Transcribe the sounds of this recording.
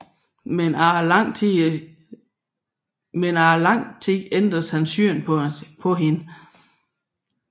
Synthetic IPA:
menɑlɑŋ̰t͡sʰ | menɑːlɑ̈ŋ̰t͡sʰeɡ̥end̥ʁɐshænsyɐnʰpʰɒ̽ɦenə

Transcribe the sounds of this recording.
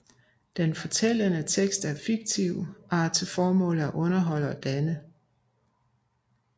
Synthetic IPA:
d̥enfɒ̽t͡sʰel̰ənət͡sʰeɡ̥sd̥æɐfiɡ̥̚t͡sʰiʊ̰ʔɑt͡sʰefɒːmɔ̰̽ːl̩æʔɔ̽nɐɦɒ̽l̰əɒ̽d̥ænə

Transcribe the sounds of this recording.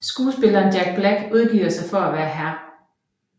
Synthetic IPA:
sɡ̥uːsb̥e̝lɐːnd̥jæɡ̥̚b̥læɡ̥uð̞ˠɡ̥iːɐsɑ̈ɪfɒ̽æʋæːɐɦæɐ̰

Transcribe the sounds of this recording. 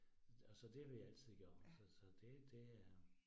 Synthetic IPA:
ɒsɒ̽d̥e̝ʋejæl̰t͡sʰið̰ˠɡ̥ɶːɐɐsɒsɒ̽d̥e̝d̥e̝æɐ

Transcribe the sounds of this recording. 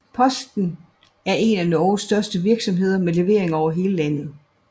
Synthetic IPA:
pʰɒ̽sd̥n̩ | æɐe̝nænɒːsd̥ɶɐsd̥əʋiɐɡ̥sɒ̽mɦe̝ð̞̰ˠɐmele̝ʋe̝ɐe̝ŋɒʊɐɦe̝ːləlænð̞̩ˠ

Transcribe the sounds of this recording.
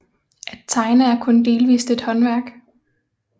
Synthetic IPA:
ʔæd̥̚t͡sʰɑ̈ɪnəæɐkʰɔ̽nd̥e̝ːlʋḭːsd̥e̝d̥hɒ̽nʋæɐ̰ɡ̥

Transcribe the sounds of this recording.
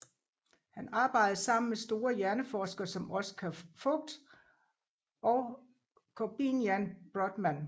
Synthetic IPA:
hænɑ̈ːb̥ɑ̈ɪ̰d̥ˠɐsɑ̈m̰n̩mesd̥o̝ːɐjæɐnəfɒːsɡ̥ɐsɒ̽mɒ̽sə̥kʰæfɔ̽ɡ̥̚d̥ | ʔɒʊ | kʰɒb̥injænb̥ʁɔd̥mæn

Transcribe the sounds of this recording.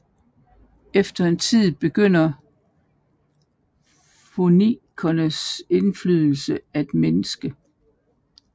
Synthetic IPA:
efd̥ɐe̝nt͡sʰið̰ˠb̥e̝ɡ̥øn̰ɐ | fo̝nikʰɒnəse̝nflyðˠl̩səæd̥menəsɡ̥ə

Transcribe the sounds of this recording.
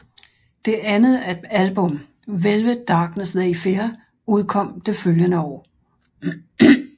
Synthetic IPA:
d̥e̝ʔænð̩ˠæɐd̥ælb̥ɔ̽m̰ | ʋelʋəd̥ɑ̈ːɡ̥nəsðæifeɐ | uð̞ˠkʰɒ̽m̰d̥e̝føljənəɒ̰ː

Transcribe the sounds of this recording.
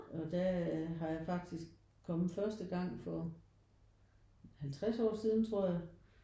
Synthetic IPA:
ɒ̽d̥æɦɑ̈jɑ̈ɪfɑ̈ɡ̥̚d̥isɡ̥̚ | kʰːɒ̽mð̩ˠfɶɐsd̥əɡ̥ɑ̈ŋ̰fɒ̽ | hælt͡sʰʁasɒ̰ːsið̞ˠnt͡sʰʁo̝ɐ̰jɑ

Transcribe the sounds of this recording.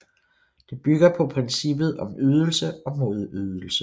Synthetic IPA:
d̥e̝b̥yɡ̥ɐpʰɒ̽pʰʁɛnsib̥ð̞̩ˠɒ̽myð̞ˠl̩səɒ̽moːðˠyð̞ˠl̩sə

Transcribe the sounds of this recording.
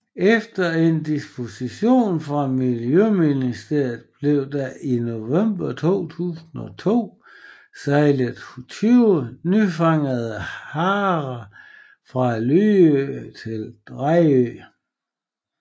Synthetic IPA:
efd̥ɐe̝nd̥isb̥o̝siɕo̝̰ːnfʁɑ̈miljøminisd̥e̝ɐ̰ð̩ˠb̥le̝ʊ̰d̥ɑʔino̝ʋem̰b̥ɐt͡sʰo̝̰ːt͡sʰṵːsn̩ɒt͡sʰo̝̰ː | sɑɪləðt͡sʰyʊnyfɑ̈ŋ̰əðˠəhɑːʁɐ | fʁɑ̈lyːøt͡sʰe̝ld̥ʁaø̰ː

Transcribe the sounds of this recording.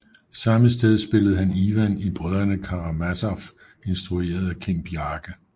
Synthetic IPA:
sɑ̈məsd̥eð̞ˠsb̥e̝ləð̞̩ˠɦæniʋænib̥ʁœðˠɐnəkʰɑ̈ʁɑmæsɑf | e̝nsd̥ʁue̝̰ːɐð̞ˠækʰe̝mb̥iɑ̈ːɡ̥ə

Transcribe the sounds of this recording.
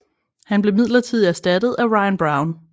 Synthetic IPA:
hænb̥le̝mið̰ˠlɐt͡sʰið̞̰ˠiæɐsd̥æd̥ð̞̩ˠæʁɑ̈ɪænb̥ʁɑ̈ʊn

